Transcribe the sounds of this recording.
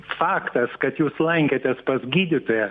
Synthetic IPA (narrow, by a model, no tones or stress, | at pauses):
fɑːkt̪ɐskɐt̪juːslˠɐŋʲkʲet̪ʲɛspɐzʲɡʲiːd̪ʲɪt̪oːjɛ